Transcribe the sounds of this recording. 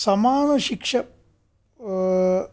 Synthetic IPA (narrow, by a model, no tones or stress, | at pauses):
sɐmaːnɐʃikʂɐ